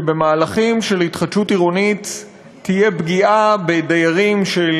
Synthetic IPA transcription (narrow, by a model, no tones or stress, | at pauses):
be̞maːlaχimʃe̞lhitχatʃutiʁonitː | ije̞bɡiʔabedajaʁimʃel